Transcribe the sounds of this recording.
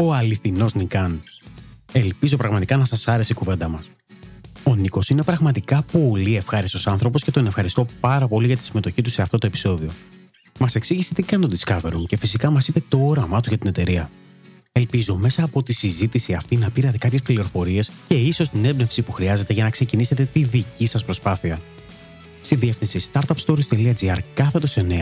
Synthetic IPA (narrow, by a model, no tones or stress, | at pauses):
o̞ɐliθino̞znikɐn | e̞lpizo̞pɾɐɣmɐt̪ikɐnɐsɐsɐɾe̞seikuve̞nd̪ɐmɐs | o̞niko̞sinepɾɐɣmɐt̪ikɐpo̞lie̞fxɐɾiso̞sɐnθɾo̞po̞sce̞t̪o̞ne̞fxɐɾist̪o̞pɐɾɐpo̞liʝɐt̪i̥sime̞t̪o̞çit̪use̞ɐft̪o̞t̪o̞e̞pi̥so̞ðio̞̰ | mɐse̞ksiʝiset̪ikɐnt̪o̞d̪iskɐve̞̰ɾuŋce̞fisikɐmɐsipe̞t̪o̞oɾɐmɐt̪uʝɐt̪ine̞t̪e̞ɾiɐ | e̞lpizo̞me̞sɐːpo̞t̪isizit̪isiɐft̪inɐpiɾɐt̪e̞kɐpçe̞spkliɾo̞fo̞ɾie̞sce̞iso̞st̪ine̞bne̞fsipuxɾiɐze̞t̪e̞ʝɐnɐkse̞cinise̞t̪e̞t̪iðicisɐspɾo̞spɐθiɐ | st̪iðiefθinsist̪ɐɾt̪ɐpst̪o̞ɾist̪eliɐd͡ziɐɾkɐθe̞t̪o̞se̞ne